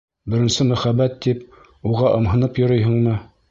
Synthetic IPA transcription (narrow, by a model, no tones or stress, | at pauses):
bɘ̆ɾɘ̆nsɘmæχæbːæt̪ːip | uʁɑʔɤ̆mɦɤ̆nɤpjŏɾɤjɦɤ̆ɴmɤ